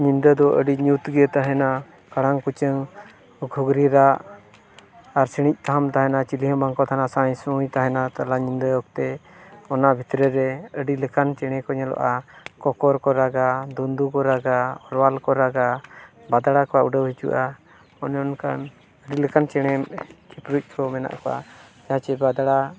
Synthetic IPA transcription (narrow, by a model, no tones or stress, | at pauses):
ɲind̪əd̪ɔʔə̰ɖiɲut̪ɡət̪aɦɛna | kaɽaŋkut͡ʃəŋ | ɡʱuɡɾiɾaʔ | aɾsiɽ̃ic̚ˀt̪aɦamt̪aɦɛnat͡ʃiliɦəbaŋkɔt̪ʰanasãjsujt̪aɦɛnat̪alaɲind̪əjɔk̚t̪ɛɔnaʔbʱit̪ɾɛɾɛəɖiləkant͡ʃɛɽ̃ɛkɔɲɛlɔ̰ʔakɔkɔɾkɔɾaɡad̪und̪ukɔɾaɡaɔɾwalkɔɾaɡa | bad̪aɽakɔwauɖəwɦit͡ʃṵʔa | ɔnɔnkan | əɖiləkant͡ʃɛɽ̃ɛkʰipɾuc̚ˀkʰɔmɛna̰ʔkɔwa̰d͡ʒaat͡ʃɛbad̪aɽa